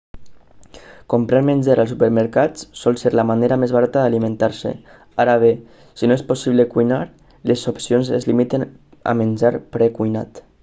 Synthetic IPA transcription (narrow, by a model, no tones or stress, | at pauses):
kompɾaɾmenʲd͡ʒaɾəlˠsupəɾməɾkassɔlˠseɾlamaneɾamezβaɾat̪əðalimẽnt̪aɾsḛ | aɾaβ̞e | sinoesposiβləkujnaɾ | lezopsionzezlimit̪en | a̰menʲd͡ʒaɾpɾɛkujna̰t̪